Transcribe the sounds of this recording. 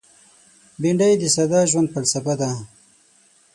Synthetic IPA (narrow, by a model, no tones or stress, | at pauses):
biɳɖajd̪əsad̪aːʒwand̪̚falsafad̪a